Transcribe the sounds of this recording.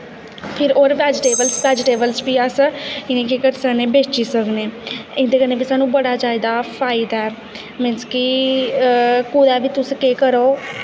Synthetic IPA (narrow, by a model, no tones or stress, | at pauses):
pʰɪɾoːɾʋɛːd͡ʒʈeːbəlsbɛːd͡ʒʈeːbəlsbiːəsɪnẽːkekəɾsəkneːbeːt͡ʃiːsəkneːɪ̃nd̪eːkəɾnẽːbiːsaːnũːbəɽaːd͡ʒaːɪd̪aːpʰaːɪd̪aɛː | mɪnski | kuːd̪aːbiːt̪ʊsẽkeːkəɾoː